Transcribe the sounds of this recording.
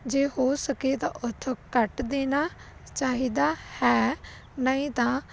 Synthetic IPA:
d͡ʒeːhoːsəkeːt̪ãːʔʊt̪ʰkəʈd̪eːnaː | t͡ʃaːɦiːd̪aːhɛː | nəĩːt̪ãː

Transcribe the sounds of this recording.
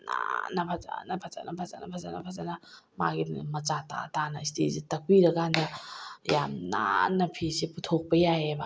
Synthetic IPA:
na̰nɐpʰɐza̰nɐpʰat͡ʃa̰nɐpʰɐzanɐpʰazanɐ̰pʰazanɐma̰ɡimɐt͡ʃata̰tanɐistisitɐkiɾɐɡandɐjamna̰nːɐpʰisiputʰok̚pɐjaɦebɐ

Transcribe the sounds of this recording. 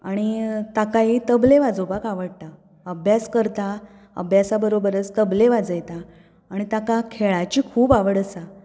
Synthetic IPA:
aɽ̃it̪akaɦit̪əbleʋad͡zobakaʋəɽ̚t̪a | əbʱjaskəɾt̪a | ə̰bʱjasabəɾobəɾət͡st̪əbleʋad͡zəjt̪aː | ɽ̃it̪akakʰeɭat͡ɕiːkʰuːpaʋəɽəsa

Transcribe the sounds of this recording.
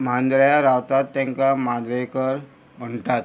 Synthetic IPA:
mand̪ɾəjaɾawt̪at̪ːjãŋkamand̪ɾəjkəɾ | m̤əɳt̪at̪̚

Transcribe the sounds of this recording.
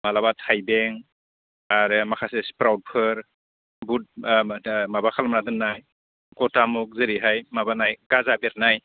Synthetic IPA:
malabatʰajbeŋ | aɾɯmakʰasespɾawd̚pʰɯɾ | but̚ | mabakʰalmanadɯnːaj | ɡɔtamuk̚zɯɾiɦajmabanajɡ̥azabeɾnaj

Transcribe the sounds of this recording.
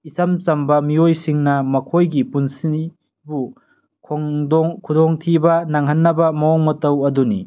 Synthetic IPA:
isɐmt͡ʃɐmbɐmiojsiŋnɐmɐkʰojɡipunsi | bu | kʰɔŋdɔŋkʰudɔŋtʰibɐnaŋɦɐnːɐbɐmɐɔŋmɐtɐwɐdunḭ

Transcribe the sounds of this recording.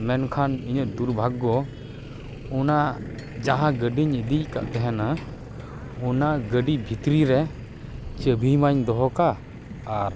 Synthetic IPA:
mɛnkʰaniɲət̪̚d̪uɾbʱaɡːɔ | ɔnad͡ʒaɦãɡəɖiɲəd̪ic̚ka̰ʔt̪ɛɦɛna | ɔnaɡəɖibʱit̪ɾiɾɛ | t͡ʃəbʱimaɲd̪ɔɦɔkaː | ɾ

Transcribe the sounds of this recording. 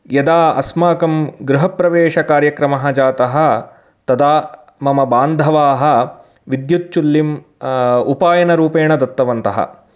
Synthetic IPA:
jɐd̪aːɐ̰smaːkɐmɡɾuɦɐpɾɐʋeːʂɐkaːɾjɐkɾɐmɐɦɐ̆d͡ʒaːt̪ɐɦɐ̆ | t̪ɐd̪aː | mɐmɐbaːnd̪ʱɐʋaːɦɐ̆ | ʋid̪jut̪̚t͡ʃulːim | upaːjɐnɐɾuːpeːɳɐd̪ɐt̪ːɐʋɐnt̪ɐɦɐ̰

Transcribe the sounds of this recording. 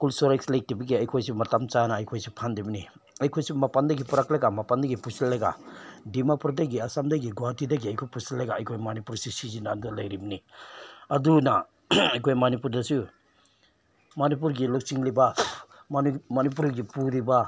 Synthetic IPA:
kulsɔɾekslek̚tibɐɡiɐjkʰojsimatamt͡ʃanaːjkʰojsipʰandibɐni | ɐjkʰojsimapandɐɡipuɾaklajɡamapandɐɡipusilːaɡa̰dimapɾɔdeɡiasamdaɡiɡɔatʰidaɡiɐjkʰojpusilːajɡaːjkʰojmanipuɾsisizinaːndulajɾibɐni | ɐduna | ɐjkʰojmanip̬uɾdasu | manip̬uɾɡilɔk̚siŋliba | mmanip̬uɾɡipuɾiba

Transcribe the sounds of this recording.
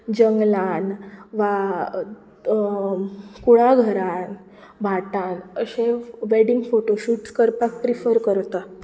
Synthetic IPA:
d͡ʑəŋɡlanʋa | kuɭaɡʱəɾãn | bʱaʈãnəɕẽʋeɽiŋɡfoʈoɕuːʈskəɾpak̚pɾifəɾkəɾt̪a

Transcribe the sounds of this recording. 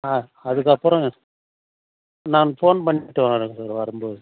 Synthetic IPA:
aː | ɐðɯk̬ːɐpːɯɾɔ̃ | naːnfoːnpɐɳːɪʈːɯʋaɾɯɐsaːɾʋɐɾɯmboːðɯ

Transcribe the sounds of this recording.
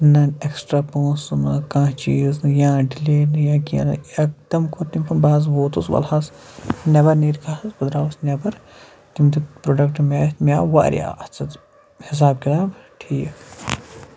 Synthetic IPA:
nɐneksʈɾaːpõːsɨnɨkãːt͡ʃiːzɨjãːɖileːnɨjãːkʲḭnɨ̰ɐk̚t̪ɐmkʰoɾt̪imʲpʰɐnbaːz̬ʋoːt̪usʋɐ̰lhasnʲɐbɐɾneːɾkʰaːɐsbɐd̪ɾaːʋɐsnʲebɐɾ | t̪imt̪ipɾoɖɐk̚ʈmʲaːt̪mʲaːʋa̰ːɾʲja̰ːɐt͡sʰɐt̪ | his̬aːb̚kʲit̪aːbʈʰiːk

